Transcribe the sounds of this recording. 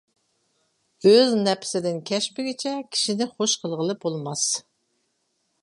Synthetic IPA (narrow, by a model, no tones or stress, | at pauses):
øznɛpʰɪ̥sɪd̪ɪnkʲʰɛʃmpɪɡʲɪt͡ʃʰɛkʲʰi̥ʃinɪχoʃqʰəlˠʁəlˠɨp̚bolˠmɑs